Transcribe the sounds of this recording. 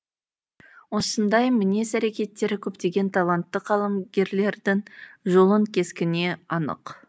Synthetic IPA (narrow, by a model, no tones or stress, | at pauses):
wo̞sənd̪ɑjmɪne̞sæɾe̞kʲe̞t̪ːe̞ɾɪkʲʰɵp̚t̪e̞ɡʲe̞nt̪ʰɑlˠɑnt̪ːəqʰːɑlˠəmɡʲe̞ɾle̞ɾd̪ɪŋʒo̞lˠəŋkʲʰe̞skʲɪne̞ɑnə̰q